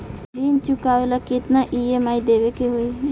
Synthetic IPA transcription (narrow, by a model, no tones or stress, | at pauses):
d̪int͡ʃukaʋelaket̪naʔiemaːid̪eʋekeɦoi